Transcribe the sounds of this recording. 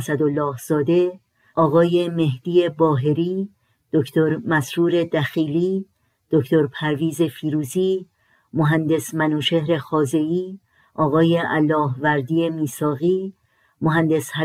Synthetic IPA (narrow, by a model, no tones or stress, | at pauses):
sæd̪olːɒːhz̥ɒːd̪e̞ | ɒːɣɒːje̞me̞hd̪̥iːe̞bɒːɦe̞ɾiː | d̪̥ocʰt̪ʰo̞ɾmæsɾuːɾe̞d̪æxiːliː | d̪̥oct̪ʰoɾpʰæɾviːze̞fiːɾuːziː | moɦænd̪e̞smænuːʃe̞hɾe̞xɒːze̞iː | ʔɒːɣɒːje̞ʔælːɒːɦvæɾd̪iːje̞miːsɒːɣiː | moɦænd̪e̞shæ